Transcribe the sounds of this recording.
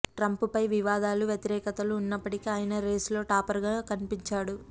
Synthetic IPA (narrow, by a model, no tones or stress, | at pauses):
ʈɾɐmpupɐjʋiʋaːd̪aːluʋjɐt̪iɾɛːkɐt̪ɐluːnːɐpːɐʈikiaːjɐnɐɾe̞ːslo̞ːʈaːpɐɾɡaːkɐnipiɲt͡ʃaːɽu